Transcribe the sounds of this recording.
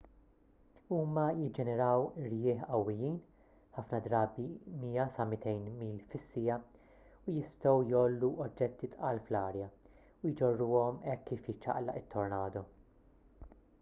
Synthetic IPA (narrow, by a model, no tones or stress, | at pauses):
uːmɐjɪd͡ʒɛnɛɾɐwɾjɪːħɐwːɪjiːn | ħɐfnɐd̪ɾɐːbimiːɐsɐmɪt̪ɛjnmiːlfɪsːɪjɐ | ʊjɪst̪ɔwjɔːlːuʔɔd͡ʒːɛt̪ːit̪ʔɐːlflɐːɾjɐ | ʊjd͡ʒɔrːuːɔmɛkːiːfjɪt͡ʃːɐ̰ʔlɐ̰ʔɪt̪ːɔɾnɐːd̪ɔ